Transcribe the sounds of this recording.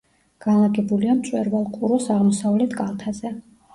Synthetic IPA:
ɡ̥anlˠaɡɛbuliamt̪sʼwɛɾvalˠqʼuɾɔsaʁmɔsavlɛt̪ʰkʼalˠt̪ʰazɛ

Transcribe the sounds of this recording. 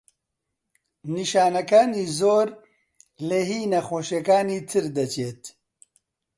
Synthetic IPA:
niʃaːnɐkaːniːzoːɾ | leɦiːnɐxoːʃekaːniːt̪ʰɨɾd̪ɐt͡ʃeːt̪

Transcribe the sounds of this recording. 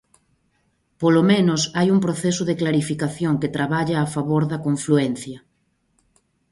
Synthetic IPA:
polomẽnosajuŋpɾoθesʊðeklaɾifikaθjoŋket̪ɾaβaʎaːfaβoɾðɐkoɱfluɛnθjɐ

